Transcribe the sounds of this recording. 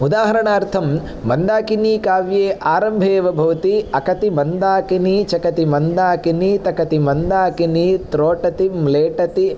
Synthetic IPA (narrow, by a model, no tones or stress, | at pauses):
ud̪aːɦɐɾɐɳaːɾt̪ʰɐmː | ɐnd̪aːkiniːkaːʋjeːʔaːɾɐmbʱeːʋɐbʱɐʋɐt̪iɐkɐt̪imɐnd̪aːkiniːt͡ʃɐkɐt̪imɐnd̪aːkiniːt̪ɐkɐt̪imɐnd̪aːkiniːt̪ɾoːʈɐt̪imleːʈɐt̪i